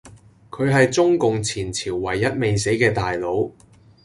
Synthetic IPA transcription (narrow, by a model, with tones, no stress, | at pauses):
kʰɵ˨˧ɥɦɐ˨jt͡sʊ˥ŋkʊ˨ŋt͡sʰiː˨˩nt͡sʰiː˨˩wːɐ˨˩jːɐ˥t̚me˨jse˨˥jkɛː˧t̪aː˨jlo˨˥w